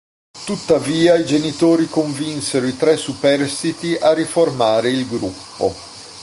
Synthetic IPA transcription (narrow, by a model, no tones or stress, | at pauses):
t̪ut̪ːaviːaid͡ʒenit̪oːɾikoɱvinseɾoit̪ɾɛsːupɛrst̪it̪iʔarːiformaːɾeilɡɾupːo̰